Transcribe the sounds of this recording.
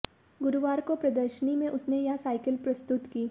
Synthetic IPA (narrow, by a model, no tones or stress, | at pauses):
ɡʊɾʊʋaːɾkopɾɐd̪əɾʃənimẽʔʊsnejasaːɪkəlpɾɐst̪ʊt̪kiː